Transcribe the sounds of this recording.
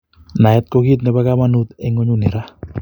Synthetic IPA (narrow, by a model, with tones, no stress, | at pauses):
na˨ɛ˦t̪̚ko˦ɡi˦t̪̚nɛ˨ba˦ɡa˦ma˦nu˦t̪ɛ˦ŋo˦ɲu˦nɪ˨ɾa˦